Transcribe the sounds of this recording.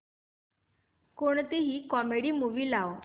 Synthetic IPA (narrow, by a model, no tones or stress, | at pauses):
koɳt̪iɦiːkɔmeɽiːmuʋiːlaw